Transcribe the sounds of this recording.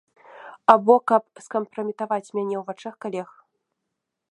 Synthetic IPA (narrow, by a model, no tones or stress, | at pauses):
abɔkɐp̚skɐmpɾɐmʲit̪avat͡sʲmʲanʲɛwvat͡ʂɛxkalʲɛx